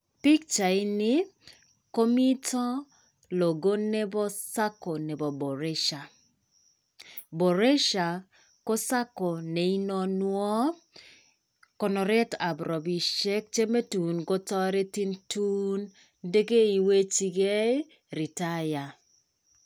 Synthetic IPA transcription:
pi˦kt͡ʃa˨ɪ˦nɪ˦ | ko˦mi˦tɔ˦ | lo˨ɡo˦ne˦bɔ˦sa˦ko˨ne˨bɔ˨bɔ˨ɾɛ˦ʃa˨ | bo˨ɾe˦ʃa˨ | ko˦sa˦kɔ˨ne˨i˦nɔ˦nwɔ˦ | kɔ˨nɔ˨ɾɛ˦ta˨bɾɔ˨bi˨ʃɛ˦k̚t͡ʃe˦me˦tu˨nɡo˦tɔ˦ɾe˦ti˦ntu˦n | de˦ɡe˦i˨we˦t͡ʃi˦ɡe˦ | ɾi˨ta˦ja˨

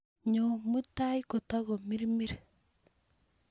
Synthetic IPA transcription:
ɲo˨mu˦ta˦i˦ko˨ta˦ɣo˨mi˦ɾi˦mi˦ɾe

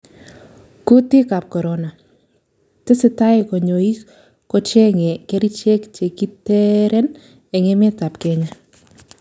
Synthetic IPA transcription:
ku˦tɪ˦ka˨p̚kɔ˨ɾɔna˨ | tɪ˦sɪ˦ta˦ɪ˨kɔ˨ɲo˨i˦ | kɔ˦t͡ʃe˦ŋɛ˨kɛ˦ɾi˦t͡ʃe˦kt͡ʃe˨ki˦tɛ˦ɾɛ˦n | ɛ˨ŋe˦mɪ˦ta˨pkɛ˦ɲa˦

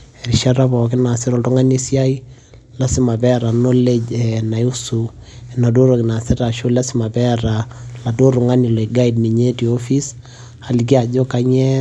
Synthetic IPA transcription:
ɛ˨ɾi˨ʃa˦ɾa˦bɔ˨k̬ɪ˦na˨sɪ˦ɾɔ˨tu˦ŋa˦ne˦sja˦i˦ | la˦sɪ˦ma˨bɛ˦ɾa˨no˦le˦d͡ʒɛ˨na˨ju˦su˨ɛ˨na˨do˦ɾo˨kɪ˨na˨sɛ˦ta˨ʃo˦la˦sɪ˦ma˨bɛ˦ɾa˨la˨do˦ɾu˨ŋa˦ni˨lo˨i˨ɡa˦i˨dni˨ɲe˦ti˨o˦fi˦s | a˨li˨k̬i˦a˨d͡ʒo˦ka˦ɲɛ˦

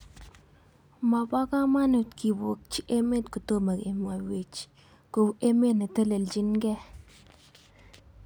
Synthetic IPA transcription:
ma˨ba˦ka˦ma˦nu˨tki˨bo˨k̚t͡ʃi˦ʔe˦me˦tku˨to˦ma˨ɡḛ˨ma˨we˨t͡ʃ | ko˨we˦me˦na˨tə˦le˨ld͡ʒi˦nɡɛ˦

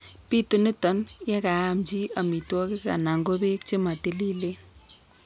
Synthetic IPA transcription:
pi˦t̪u˨nɪ˦t̪ɔ˨˦njɛ˦ka˨amd͡ʒi˦ɐ˨mi˨t̪wɔ˦kɪka̰˨na˨ŋɡo˦be˦k̚t͡ʃɪ˦ma˨t̪ɪ˦li˦le˦

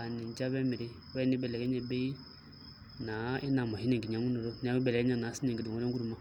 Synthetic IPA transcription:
a˨ni˨n˦d͡ʒa˦βɛ˦mi˨ɾɪ˦wɛ˦ni˦bɛ˨lɛ˨ɡɛ˦ɲɛ˨be˦i˦ | na˨˦ɪ˦na˨mɔ˨hi˦nɛ˨ŋ˨ɡi˨ɲ˨a˨˦ŋu˦nɔ˨ɾɔ˦n˦a˦ɛ˦bɛ˨lɛ˨ɛ˦ɲa˦˨na˨˦si˦nɛ˨ŋɡi˨dɔ˨ŋɔ˦ɾɛ˦ɡu˦ɾu˨ma˦˨

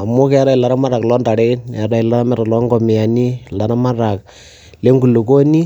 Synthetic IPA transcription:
a˨mʊ˦kɛ˦ɾa˦i˨la˨ɾa˦ma˦ɾa˨klɔ˦nda˨ɾe˦nɛ˨ɾa˦i˨la˨ɾa˦mɛ˦ɾa˨lɔ˦ŋɡɔ˨mɪ˨a˨ni˦la˨na˦ma˦ɾa˨k̚ | le˦ŋɡu˨lu˨ko˦ni˦

